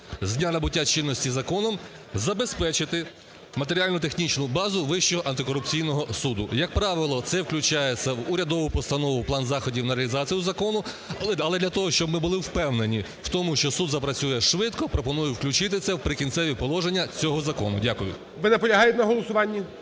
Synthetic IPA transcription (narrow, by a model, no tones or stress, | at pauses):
zʲdnʲanɐbʊtʲːat͡ʃɪnːɔsʲtʲizɐkɔnɔm | zɐbespɛt͡ʃɪt̪ɪ | mɐt̪eɾʲiɑlʲnʊt̪exnʲit͡ʃnʊbɑzʊʋɪʃt͡ʃɔɦɔʔɐnt̪ɪkɔɾʊp̚t͡sʲijnɔɦɔsud̪ʊjɐk̚pɾɑʋɪlˠɔt̪sɛwklʲʊt͡ʃɑjet͡sʲsʲɐʋʊɾʲɐd̪ɔʋɪpɔst̪ɐnɔʋʊplˠɑnzɑxɔdʲiwnɐɾeɐlʲizɑt͡sʲijʊzɐkɔnʊ | ɐlˠɛd̪lʲɐt̪ɔɦɔʃt͡ʃɔbmɪbʊlˠɪwpɛwne̞nʲi | wt̪ɔmʊʃt͡ʃɔsud̪zɐpɾɐt͡sʲujɛʃʋɪt̪kɔpɾɔpɔnujʊwklʲʊt͡ʃɪt̪̬ɪt̪sɛwpɾɪkʲinsɛʋʲipɔlˠɔʒenʲːɐt͡sʲɔɦɔzɐkɔ̰nʊ̰dʲakʊjʊ̰ | ʋɪnɛpɔlʲɐɦɑjt̪ɛnɐɦɔlˠɔsʊʋɑnʲːɐ